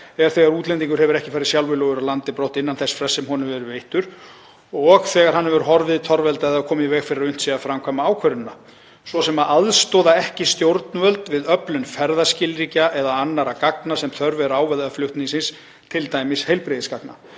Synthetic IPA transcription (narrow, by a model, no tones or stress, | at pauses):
ɛɣaɾ̥θɛːɣaɾuːt̪lɛnt̪̬iŋkʏɾhɦɛvʏɾɛhcɪfaːɾɪsjawlvɪlɔːɣʏɾalant̪ɪpɾowht̪ɪnːanθɛsfɾɛsːɛmɦɔnʏmvɛɾʏvejht̪ʏɾ̥ | ɔɣθɛːɣaɾ̥hanːɛvɛɾʏɦɔɾvɪt̪ʰɔɾvɛlt̪aɛðakʰɔːmɪvɛːɣfɪɾɪɾʏn̥t̪siafɾamkʰvaːmaaːwkʰvœɾʏnːa | svɔsɛmaʔaðst̪ɔːðaɛhcɪst̪jowɾt̪nvœlt̪vɪðœplʏnfɛɾðascɪlɾiːcaʔɛðaanːaɾakaknasɛmθœɾvɛɾʏaːwvɛlðaflʏht̪niŋsɪns | t̪ʰɪlt̪aːjmɪshejlpɾɪðɪskakna̰